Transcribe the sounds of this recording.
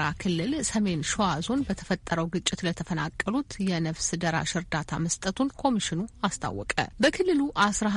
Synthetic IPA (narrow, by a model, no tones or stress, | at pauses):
ɾakʰɨlːɨlsəme̞nʃoazo̞nbət̪ʰə̥fət̪ʼːəɾəwɡɨt͡ʃʼːɪt̪lət̪ʰəfəna̰kʼːəlut̪jɛnəβsd̪əɾa̰ʃɨɾd̪at̪ʰa̰məst̪ʼət̪ʰunkʰo̞miʃɪnuast̪ʰa̰wːɔkʼə̰bəkʰɨlːɨluʔasɾa